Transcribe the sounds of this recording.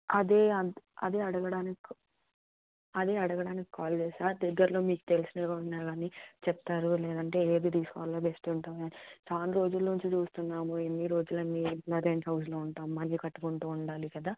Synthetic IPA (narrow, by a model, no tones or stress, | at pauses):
ɐd̪eːɐɐ̰d̪e̞ːɐɽɐɡɐɽaːnik | ɐd̪eːɐɽɐɡɐɽaːnikːikaːld͡ʒeːsaːd̪ɛɡːɐɾlo̞ːmiːku̥t̪elisinɐɡaːunːaːɡaːnit͡ʃɛp̚t̪aːɾulɛːd̪ɐɳʈe̞ːeːd̪id̪iːskɔːloːbesʈuɳʈamaːnit͡ʃaːnɾo̞ːd͡ʒulːnuɲt͡ʃit͡ʃuːst̪unːaːmuenːiɾo̞ːd͡ʒulɐnːiblɐɾeɳʈɦɐwsloːuɳʈaːmuːɐnt͡ʃikɐʈːukuɳʈuːɳɖaːlikɐd̪aː